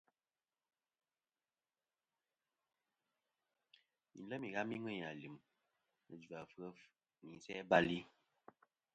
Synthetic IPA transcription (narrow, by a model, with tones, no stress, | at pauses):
mḭ˨n˦lə˦mi˨ɣa˦mi˦ŋwɛ˦˨ɲa˨li˨m | nə̰˨d͡ʒu˨a˨fə˦f | mi˨n˦sɛ˦ba˦li˦